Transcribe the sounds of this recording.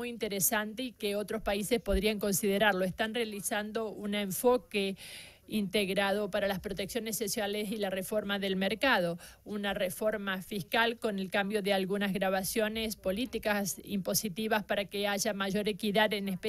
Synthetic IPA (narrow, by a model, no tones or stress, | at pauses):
ujint̪eɾesant̪eikeo̞t̪ɾo̞spaisespo̞ðɾiaŋko̞nsiðe̞ɾaɾlo̞est̪anrealisand̪o̞uneɱfo̞ke | int̪eɣɾað̞o̞paɾalaspɾot̪eksjonesːosjalesilarefo̞ɾmaðe̞lmeɾkaðo̞ | unarefo̞ɾmafiskalko̞ne̞lkambjo̞ðealɣunazɣɾaβ̞asjo̞ne̞spo̞lit̪ikasḭmpo̞sit̪iβaspaɾakeaʒamaʒo̞ɾe̞kiðaðenespe